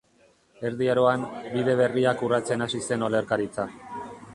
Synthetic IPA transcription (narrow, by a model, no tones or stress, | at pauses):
e̞ɾðiaɾo̞ambiðe̞β̞e̞riakurat͡se̞nasise̞no̞le̞ɾkaɾit͡sa